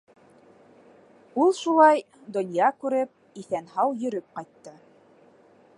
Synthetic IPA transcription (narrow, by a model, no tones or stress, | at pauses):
ulˠʃulˠɑj | d̪ŏnjɑkʉɾɘp̚ | iθænhɑwjɵ̆ɾɵp̚qɑjt̪ːɤ